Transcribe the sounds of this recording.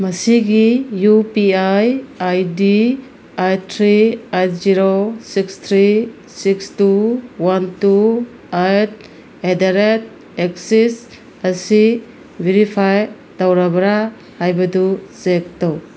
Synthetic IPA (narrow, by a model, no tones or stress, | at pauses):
mɐsiɡijupiajajdi | ajtʰɾiajt̚ziɾosikst̪ʰɾi | sikstuwantu | ajt̚ | edaɾet̚ | eksis | ɐsi | bʱeɾipʰaj | d̥awɾabɐɾa | hajbɐdusek̚tow